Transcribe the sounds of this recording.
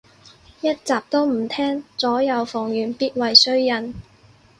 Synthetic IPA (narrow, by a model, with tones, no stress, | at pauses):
jɐ˥t̚t͡saː˨p̚t̪o˥wm̩˨˩t̪ʰɛː˥ŋt͡sɔː˨˥jɐ˨˧wfɔː˨˩ŋjyː˨˩npiː˥t̚wɐ˨jsɵ˥ɥjɐ˨n